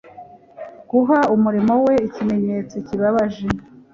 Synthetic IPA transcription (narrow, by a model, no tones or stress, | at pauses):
ɡ̥uɦaumuɾimo̞we̞icime̞ɲe̞ːt͡sociβaβaʒe